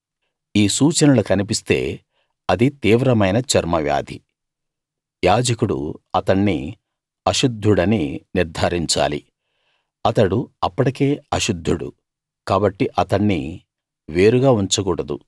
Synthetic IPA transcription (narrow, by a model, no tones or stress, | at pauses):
iːsuːt͡ʃɐnɐlukɐnip̬ist̪e̞̰ː | ɐd̪it̪iːʋɾɐmɐjnɐt͡ʃɐɾmɐʋja̰ːd̪ʱi | jaːd͡ʒɐkuɽṵɐt̪ɐɳːḭ | ɐʃud̪ʱːuɽɐniniɾd̪ʱaːɾiɲt͡ʃa̰ːlḭ | ɐt̪ɐɽuɐpːɐʈike̞ːɐʃud̪ʱːuɽṵ | kaːbɐʈːiʔɐt̪ɐɳːḭ | ʋe̞ːɾuɡaːuɲt͡ʃɐɡuːɽɐd̪ṵ